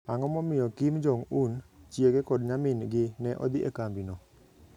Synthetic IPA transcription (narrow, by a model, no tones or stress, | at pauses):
aŋɔmɔmɪjɔkimd͡ʒɔŋunt͡ʃjeɡekɔdɲamɪnɡɪnɛʔɔ̰d̪ɪʔḛkambinɔ